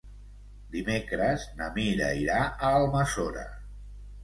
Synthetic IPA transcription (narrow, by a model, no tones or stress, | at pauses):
d̪imekɾəznəmiɾə̰iɾaəːlˠməsoɾə̰